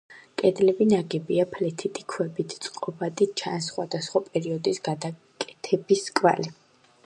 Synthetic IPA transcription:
kʼɛd̪lɛbinaɡɛbiapʰlɛt̪ʰit̪ʰi̥kʰwɛbit̪ʰt̪sʼqʼɔbad̪it͡ʃʰansχwad̪asχwapʼɛɾiɔd̪isɡad̪a | kʼɛt̪ʰɛbiskʼva̰li

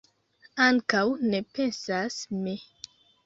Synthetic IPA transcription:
aŋkawnepensasmi

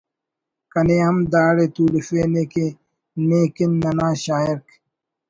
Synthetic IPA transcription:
kɐneːɐmd̪aːɽeːt̪uːlifeːneːke | neːkinːɐnaːɕaːiɾk

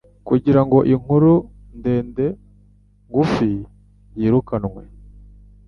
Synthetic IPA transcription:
kuɟiɾaŋɡo̞ʔiŋ̥uɾu | nde̞ːnde̞ | ŋɡufi | jiːɾukanŋwe̞

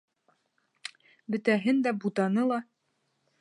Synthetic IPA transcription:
bɘ̆t̪æɦɘnd̪æbut̪ɑnɤlˠɑ

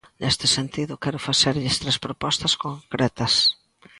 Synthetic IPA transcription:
nʔest̪ɪsent̪iðʊkɛɾʊfasɛɾʎɪst̪ɾespɾopɔst̪ɐskoŋkɾʔɛt̪ɐs

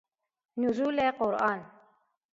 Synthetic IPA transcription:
nuzuleqoɾɑːn

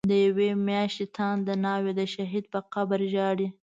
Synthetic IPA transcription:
d̪əjawemjɑʃt̪et̪ʰɑnd̪ənɑwed̪əʃaɦid̪̚pəqabəɾʒɑɽi

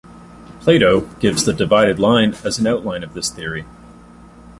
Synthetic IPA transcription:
pʰl̥eɪɾoʊɡ̥ɪvzðɨdɨvaɪɾɨdˡlãɪ̃nɨzn̩aʊʔˡlãɪ̃nʌvðɪsθɪɹi

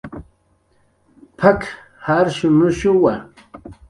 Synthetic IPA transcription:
pʰak | haɾʃʊnʊʃʊwa

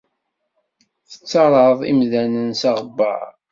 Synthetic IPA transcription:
θə̥t͡sːɑɾˤəðˤḭmðænənsɑʁbːə̰ʕ

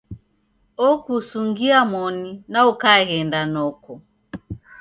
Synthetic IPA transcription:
ɔkusuŋɡiamɔninaukaɣɛndanɔkɔ

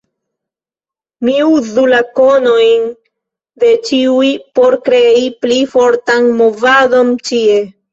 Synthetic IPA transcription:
miuzulako̞no̞jn | de̞t͡ʃiujpo̞ɾkɾe̞iplifo̞ɾtanmo̞vado̞nt͡ʃie̞

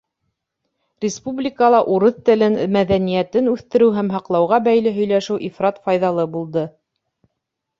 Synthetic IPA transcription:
rʲɪspublʲikəlˠɑʔuɾɤθt̪ɘ̆lɘnmæðænijæt̪ɘnʉθt̪ɘ̆ɾɘwɦæmɦɑqlˠɑwʁɑbæjlɘɦɵ̆jlæʃɘwʔifrɑt̪fɑjðɑlˠɤbulˠd̪ɤ

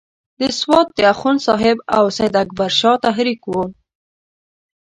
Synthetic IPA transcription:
d̪əswɑt̪̚d̪əaxunsɑɦɪba̰wsajd̪ak̚baɾʃɑt̪aɦɾikwo

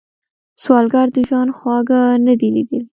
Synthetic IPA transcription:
swɑlɡɑɾd̪əʒwɑnxwɑɡanad̪ilid̪əl

